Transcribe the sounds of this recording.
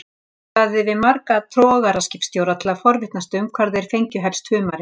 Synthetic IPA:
aðɪvɪðmaɾkat̪ʰɾɔːɣaɾascɪfpst̪joːwɾat̪ʰɪlaðfɔɾvɪht̪nast̪ʏmkʰvaɾðɪɛɾ̥fejɲcʏɦɛlst̪hʏːmaɾɪ

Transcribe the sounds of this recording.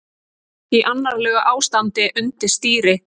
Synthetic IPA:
iʔanːaɾlœːɣaʔaːwst̪ant̪ɪʔʏnt̪ɪɾ̥st̪iːɾɪ

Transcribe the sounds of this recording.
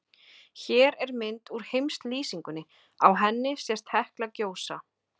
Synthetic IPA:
çɛːɾɛɾmɪnt̪uɾ̥hejmst̪liːsiŋkʏnːɪ | awɦɛnːɪsjɛst̪hɛhklacoːwsa̰

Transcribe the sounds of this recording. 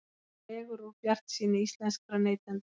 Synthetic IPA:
ɛɣʏɾupjar̥t̪siːnɪist̪lɛnskɾanejt̪lant̪

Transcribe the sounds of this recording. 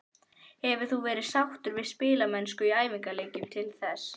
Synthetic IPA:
hɛvʏ̥θuvɛːɾɪ̥sawht̪ʏɾvɪðspɪːlamɛnskʏiaːjviŋkaleːjcɪmt̪ʰɪlθɛs

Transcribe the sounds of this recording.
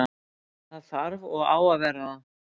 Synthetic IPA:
θaðθaɾvɔɣa̰ːwavɛrːaa

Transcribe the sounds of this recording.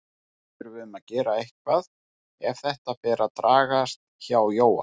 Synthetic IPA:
ɪɾvɪðʏmaðcɛːɾaejhkvað | ɛv̥θɛht̪afɛːɾʔat̪ɾaːɣast̪̚ | çaːwjoːwa

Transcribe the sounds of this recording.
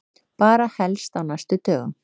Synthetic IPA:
paːɾahɛlst̪awnast̪ʏt̪œːɣʏ̰m

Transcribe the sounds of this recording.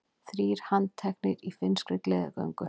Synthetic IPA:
θɾiːɾ̥hant̪ʰɛknɪɾifɪnskɾɪklɛːða̰kœ̰wŋkʏ

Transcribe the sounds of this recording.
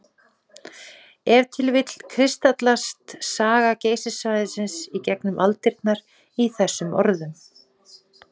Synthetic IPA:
ɛvt̪ʰɪlvɪt̪l̥kʰɾɪst̪at̪last̪saːɣaceːjsɪsvajðɪsɪnsicɛknʏmʔalt̪ɪɾt̪̚naɾ | iθɛsːʏmʔɔ̰ɾðʏm

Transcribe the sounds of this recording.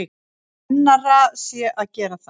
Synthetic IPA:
nːarasjɛʔaðcɛːɾaθ

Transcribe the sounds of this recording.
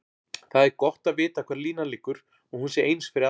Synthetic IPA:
θaðɛɾkɔht̪aðvɪːt̪akʰv̥ɛːɾliːnalɪːkːʏɾ | ɔɣhunsjɛɾʔeːjnsfɪɾɪɾ

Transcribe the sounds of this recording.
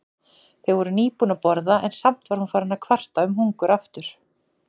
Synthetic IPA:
θevɔɾʏniːpuːnapɔɾðaʔɛnsam̥t̪vaɾ̥hunfaːɾɪnːakʰvar̥t̪aʏmɦuŋkʏɾaft̪ʏɾ̥

